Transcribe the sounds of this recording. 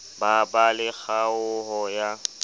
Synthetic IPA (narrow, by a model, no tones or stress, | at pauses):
babalɪɣaʊɦɔja